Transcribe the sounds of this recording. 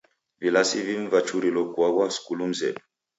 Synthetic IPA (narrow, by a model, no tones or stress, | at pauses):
vilasiviɱ̩vat͡ʃuɾilɔkwaɡwaskulum̩zɛ̰ɗu